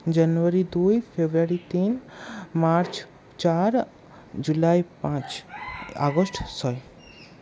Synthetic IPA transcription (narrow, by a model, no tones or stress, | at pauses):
d͡ʒanuaɾid̪ujfʰebɾaɾit̪inmaɾt͡ʃ | t͡ʃaɾ | d͡ʒulajpãt͡ʃa̰ɡɔsʈsɔe